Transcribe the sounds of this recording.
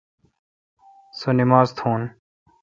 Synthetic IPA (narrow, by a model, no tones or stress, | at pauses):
sənɪmaːzt̪ʰõːn